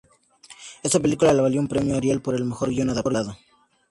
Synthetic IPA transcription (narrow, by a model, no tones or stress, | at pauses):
e̞st̪ape̞likulaleβaljoumpɾemjoaɾjalpoɾe̞lme̞xo̞ɾɣjonaðaɾaðo